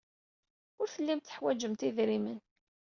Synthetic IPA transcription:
ʊɾθəlːimt̪θə̥ħwæd͡ʒəmt̪iðɾimən

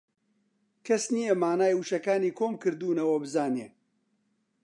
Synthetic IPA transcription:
kʰɐsnijɐmaːnaːjuʃɐkaːniːkʰoːmkɨɾd̪uːnɐwɐbɨzaːneː

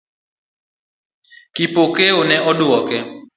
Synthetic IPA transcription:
kipokeonɛ̃ɔɗuɔkɛ

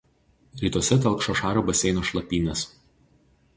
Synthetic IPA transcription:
ɾʲiːt̪uɔsʲɛt̪ʲɛlˠkʃoːʃɑːɾʲoːbɐsʲɛɪnoːʃlˠɐpʲiːnʲɐs

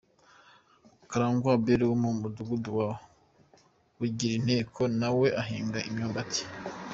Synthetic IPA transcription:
kaɾaːŋɡwabeɾiwomumuduɡuduwawo | wuɟiɾin̥he̞ːkʰonawe̞ʔaɦiːŋɡaʔimɲoːmbati̥

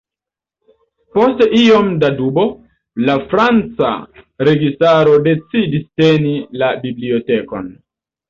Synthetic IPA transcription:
po̞steio̞mdadubo̞ | lafɾant͡sa̰ɾe̞ɡistaɾo̞de̞t͡sidistenilabiblio̞te̞ko̞̰n

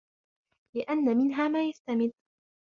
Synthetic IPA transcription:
lɪʔanːamɪnɦaːmaːjast̪amɪd̪

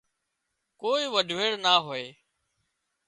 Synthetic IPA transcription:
koːiːʋəɖʱʋeːɽnaːɦoːeː

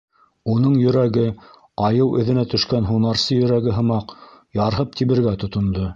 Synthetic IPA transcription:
unɤɴjɵ̆ɾæɡɘ | ɑjɤwʔɵ̆ðɘ̆næt̪ɵ̆ʃkænɦunɑɾsɤjɵ̆ɾæɡɘɦɤ̆mɑqjɑɾɦɤp̚t̪iβɘ̆ɾɡæt̪ŏt̪ŏnd̪o

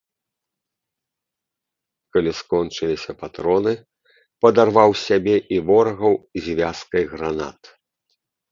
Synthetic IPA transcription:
kalʲiskɔnt͡ʂɨlʲisʲɐpat̪ɾɔnɨ | pɐd̪arvawsʲabʲɛʔivɔrɐɣɐwzʲvʲaskɐjɣɾana̰t̪

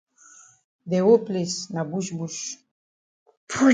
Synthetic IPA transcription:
d̪ɛopʼlisnabuʃbuʃ | pʰu

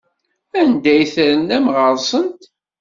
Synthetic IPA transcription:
ænd̪æjθɾənæmʁəɾˤsˤənt̪

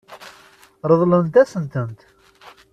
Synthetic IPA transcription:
ɾˤəðˤlənt̪æsənt̪ənt̪

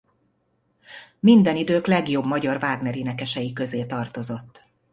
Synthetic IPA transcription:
mind̪ɛnid̪øːklɛɡjo̞bmɒɟɒrvaːɡnɛɾinɛkɛʃɛjikø̞zeːt̪ɒrt̪o̞zo̞t̪ː

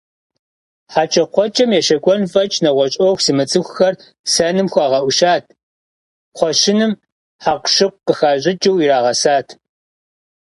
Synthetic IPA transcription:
ħaːt͡ʃʼɐqʷɔt͡ʃʼɐmjɛʃɐkʷʼɔnfʼɐt͡ʃʼnɐʁʷɔɕʼoxʷsimɨt͡sʼɨxʷxɐr | sɐnɨmxʷɑːʁɐʔʷʊʃaːtʰ | qʷɔʃɪnɨm | ħaːqʷʃɪqʷqəxaːɕʼɪd͡ʒɐwiɾaːʁɐsaːtʰ

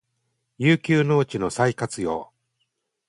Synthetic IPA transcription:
jɯːkʲɨːno̞ːt͡ɕino̞saikat͡sɨjo̞̰ː

